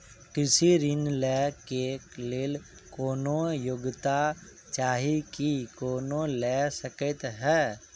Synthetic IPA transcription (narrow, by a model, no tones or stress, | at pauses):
kɪsiɾɪnlɛːkekleːl | koːnojʊɡt̪a | t͡ʃaːɦikikoːnolɛsəkət̪ɦɛː